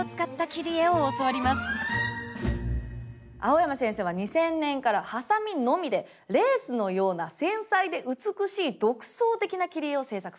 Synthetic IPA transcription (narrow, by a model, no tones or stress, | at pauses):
t͡sɨ̥kat̪ːakʲiɾʲie̞oːsoβaɾʲimasɨ̥ | a̰o̞jamasẽ̞ɰ̃se̞ːβaɲ̟isẽ̞nːẽ̞ŋkaɾahasamʲino̞mʲid̪e̞ | ɾe̞ːsɨno̞jo̞ːnasẽ̞ɰ̃said̪e̞ʔɯ̟t͡sɨkɯ̟ɕiːd̪o̞kɯ̟̥so̞ːt̪e̞kʲinakʲiɾʲieo̞se̞ːsakɯ̥